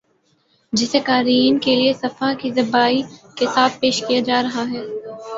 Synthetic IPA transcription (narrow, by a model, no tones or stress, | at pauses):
d͡ʒɪsekaːɾiːnkeliesɐfakizɐbaːikesaːt̪̚ʰpeːʃkijad͡ʒaːɾɐɦaɦɛː